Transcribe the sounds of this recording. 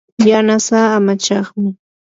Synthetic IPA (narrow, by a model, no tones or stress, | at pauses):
janasaːmat͡ʃɑχmɪ